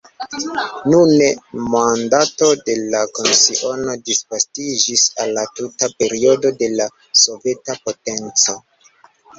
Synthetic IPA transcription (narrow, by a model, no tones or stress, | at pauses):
nunemandato̞de̞lako̞nsiʔo̞no̞disvastid͡ʒisalːatutape̞ɾio̞do̞de̞la | so̞ve̞tapo̞te̞nt͡so̞